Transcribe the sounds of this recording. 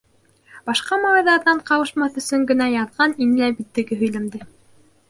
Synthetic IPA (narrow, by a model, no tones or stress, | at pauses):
b̥ɑʃqɑmɑlɑjðɑɾðɑɴqɑwɤ̆ʃmɑθɵ̆sɵŋɡɘ̆næjɑðʁɑninɘ̆læbit̪ːɘ̆ɡɘɦɵ̆jlæmd̪ɘ